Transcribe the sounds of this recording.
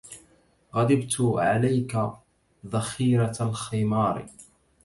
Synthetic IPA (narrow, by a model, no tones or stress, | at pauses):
ɣad̪ɪbt̪ʕalajka | ðˤɑxiːɾalxɪmɑːɾ̰ˤ